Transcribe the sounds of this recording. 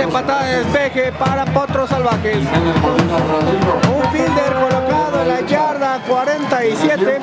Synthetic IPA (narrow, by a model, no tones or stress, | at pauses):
epat̪aðaðespexepaɾapot̪ɾosalβaxeseneoat̪aeunfild̪eɾkolokaðoenlaʝaɾðakwaɾent̪aisjet̪e